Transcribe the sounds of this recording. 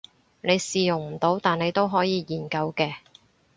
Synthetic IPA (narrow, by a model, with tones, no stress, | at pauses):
ne˨˧jsiː˨jʊ˨˩ŋm̩˨˩t̪o˨˧˥wt̪aː˨ne˨˧jt̪o˥wɦɔː˨˥jiː˨˧jiː˨˩nkɐ˧wkɛː˧